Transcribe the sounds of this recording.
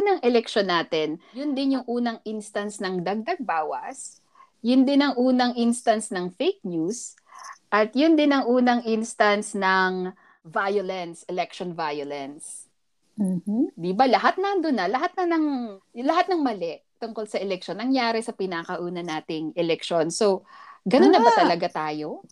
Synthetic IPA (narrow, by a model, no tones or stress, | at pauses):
nɐŋʔɛlɛkʃonːaːt̪ɛnjʊnd̪ɪnjʊŋʔuːnɐŋʔinst̪ɐnsnɐŋd̪ɐɡ̚d̪ɐɡ̚baːwɐ̰s | jʊnd̪ɪnɐŋʔuːnɐŋʔinst̪ɐnsnɐŋfejk̚njus | ʔɐt̪jʊnd̪ɪnɐŋʔuːnɐŋʔinst̪ɐnsnɐŋ | vajolɛnsʔɛlɛk̚ʃonvajolɛns̩ | d̪ibalɐɦat̪̚nɐnd̪onːɐlɐɦat̪̚nɐnɐŋlɐɦat̪̚nɐŋmɐlɛʔt̪ʊŋkolsɐʔɛlɛk̚ʃonːɐŋjaːɾɛsɐpɪnakɐʔuːnɐnaːt̪ɪŋɛlɛkʃo̞nsoɡɐnonːɐbbat̪ɐlɐɡat̪aːjo̞